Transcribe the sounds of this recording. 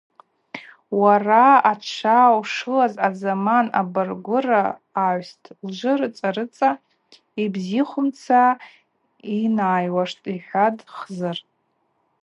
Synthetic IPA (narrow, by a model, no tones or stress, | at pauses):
waraat͡ʃʷʰawʂɨlazazamana̰bɨrɡʷʊraːʕʷstʰld͡ʒʷɨrɨt͡sʼaɾɨt͡sʼa | ibziχʷʊmt͡sʰa | inaːjwaʂtʼiħʷᶣadχzar